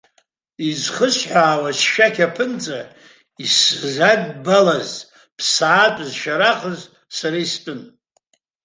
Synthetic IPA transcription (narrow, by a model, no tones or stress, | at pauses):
izχəsħʷaːwasʃakʲʰapʰɨnt͡sʼa | iszaɡbalaz | pʰsaːtʼzʃaɾaχʼəz | saɾaistʼɨn